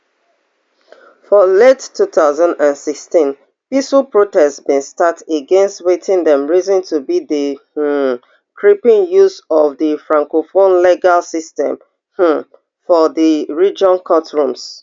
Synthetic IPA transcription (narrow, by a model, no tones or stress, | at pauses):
fɔlettʰːuθaʊzɔ̃ndãnsikstĩn | pisupɹotɛstsbĩnstateɡɛ̃nstwetʰĩndɛ̃mɹizɔ̃ntʰubiðə | kʰɹipĩnjuzɔvðəfɹãŋkofonlɛɡalsistɛ̰̃m | h̩ | fɔðəɹid͡ʒɔ̃nkʰɔtɹũms